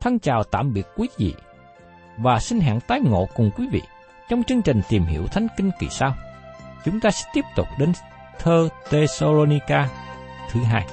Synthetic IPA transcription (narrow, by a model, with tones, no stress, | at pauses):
t̪ʰə˧ŋt͡ɕaː˨˩wt̪a̰ː˧˨mɓi˨˩ət̚kwi˨˦zḭ˧˨ | vaː˨˩sï˧n̟ɦa̰ː˧˨ŋt̪aː˨˦jŋo̰˧˨kʊ˨˩ŋ͡mkwi˨˦vḭ˧˨ | t͡ɕɔ˧wŋ͡mt͡ɕɨ˧əŋt͡ɕï˨˩ŋ̟t̪i˨˩mhḭ˧˩˥əwt̪ʰa˨˦jŋ̟kï˧ŋ̟kḭ˨˩saː˧wt͡ɕʊ˨˦ŋ͡mt̪aː˧sɛ̰˧˥t̪i˦˥əp̚t̪ʊ˨˩k͡p̚ɗe˨˦n | t̪ʰəː˧t̪e˧so˧lo˧ni˧kaː˧ | t̪ʰɨ˨˦ɦa̰ː˧j